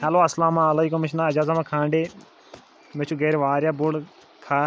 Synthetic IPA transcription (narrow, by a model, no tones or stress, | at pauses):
hɐloːɐslaːmãːɐleːkʊmɪʃʰnãːɐd͡ʒaːzamãːkʰãːɳɖeː | mẽt͡ʃʰuɡeːɾʋaːɾjaːbuɽ | kʰaː